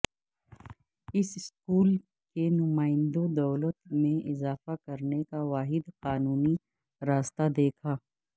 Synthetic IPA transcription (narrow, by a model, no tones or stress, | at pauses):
ɪsɪskuːl | kenʊmaːɪ̃nd̪õd̪ɐːlət̪mẽʔɪzaːfakɐɾnekaʋaːɦɪd̪qaːnuːni | ɾaːst̪ad̪eːkʰaː